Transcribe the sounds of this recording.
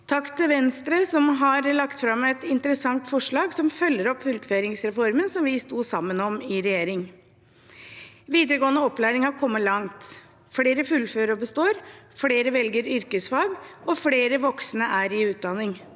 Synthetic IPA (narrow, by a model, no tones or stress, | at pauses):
t̪ʰɑkt̪ʰɪʋɛnst̪ɾəsɔmɦɑɾlɑkt̪fɾɑmɛt̪ɪnt̪əɾəsɑŋt̪fɔʂɭɑːɡsɔmfœlːəɾɔpːfʉlkføːɾɪŋsɾɛfɔɾmənsɔmʋɪst̪uːsɑmːənɔmɪɾɛjeːɾɪŋ | ʋiːd̪əɾəɡoːənəɔpːlæːɾɪŋɑkʰɔmːəlɑŋt̪ | fɽeːɾəfʉlːføːɾɔbəst̪oːɾfɽeːɾəʋɛlɡəɾʏɾkəsfɑːɡɔfɽeːɾəʋɔksnəʔæɾɪʉːt̪̚d̪ɑnɪŋ